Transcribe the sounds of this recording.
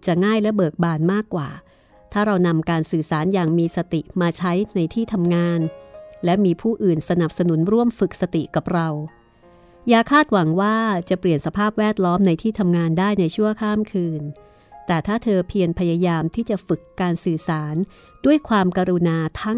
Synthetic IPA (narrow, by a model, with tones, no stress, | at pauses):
t͡ɕa˨˩ŋaː˥˩jlɛ˦˥bɤː˨˩k̚baː˨˩nmaː˥˩kːwa̰ː˨˩ | t̪ʰaː˥˩ɾa˧wna˧mkaː˧nsɯː˨˩saː˩˦njaː˨˩ŋmiː˧sa˧t̪i˨˩maː˧t͡ɕʰa˦˥jna˧jt̪ʰiː˥˩t̪ʰa˧mŋaː˧nlɛ˦˥miː˧pʰuː˥˩ʔɯː˨˩nsa˧na˨˩p̚sa˧nu˩˦nɾu˥˩əmfɯ˨˩k̚sa˧t̪i˨˩ka˨˩p̚ɾa˧w | jaː˧˩kʰaː˥˩t̪̚wa˩˦ŋwaː˥˩t͡ɕa˨˩pli˨˩ənsa˧pʰaː˥˩p̚wɛː˥˩t̪̚lɔː˦˥mna˧jt̪ʰiː˥˩t̪ʰa˧mŋaː˧ndaː˥˩jna˧jt͡ɕʰu˥˩əkʰaː˥˩mkʰɯː˧n | t̪ɛː˨˩t̪ʰaː˥˩t̪ʰɤː˧pʰi˧ənpʰa˧ja˧jaː˧mt̪ʰiː˥˩t͡ɕa˨˩fɯ˨˩kːaː˧nsɯː˨˩saː˩˦n | du˥˩əjkʰwaː˧mka˧ɾu˧naː˧t̪ʰa˦˥